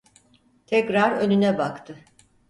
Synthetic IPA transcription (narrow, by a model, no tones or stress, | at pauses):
t̪ʰɛcɾaɾønynɛbakt̪ʰɯ